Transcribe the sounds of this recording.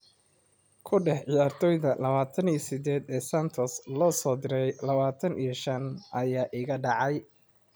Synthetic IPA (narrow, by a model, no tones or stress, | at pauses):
kʰʊɖɛħʕɪjaːrt̪ʰɔːjðɐlɐβaːt̪ʰɐniːɔsɪd̪ɛːd̪ɛːsɐnt̪ʰɔslɔːsɔːd̪ɪɾɛjlɐβaːt̪ʰɐnʔijɐʃɐnʔɐjaːʔɪɣɐɖɑʕɑj